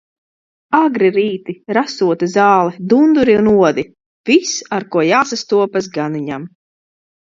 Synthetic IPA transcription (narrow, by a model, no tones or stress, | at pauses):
aɡɾiɾiːt̪iɾasuɔt̪izaːlˠɛd̪und̪uɾiunuɔd̪i | v̥isaɾkuɔjaːsast̪uɔpas̬ɡaniɲam